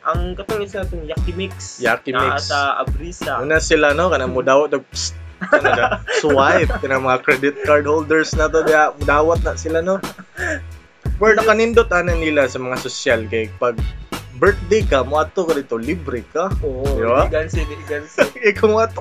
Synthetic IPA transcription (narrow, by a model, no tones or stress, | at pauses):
ʔɐŋkɐt̪oŋɪsanat̪oŋjakɪmɪksjakɪmɪasaa̰bɾiːsauːnasɪlanokɐnamʊd̪aːwat̪̚d̪oɡ̚s | anad͡ʒaswajp̚kɐnamɐŋakɾɛd̪ɪt̪̚kaɹd̪hold̪ɛɹsnat̪ond̪ajamʊd̪aːwat̪̚nasɪlano | pɛɹnɐkanɪnd̪ot̪̚aːnanilasɐmɐŋasosalkajpɐɡ̚bɛɹt̪̚d̪ejkamʊʔat̪okɐɾɪt̪olibɾɪkaoʔd̪ɪbaɡansɪɡansɪkomʊat̪o